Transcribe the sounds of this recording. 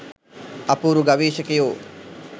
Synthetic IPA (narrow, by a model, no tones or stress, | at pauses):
ɐpuːɾuɡɐʋiːʃəkɪjoː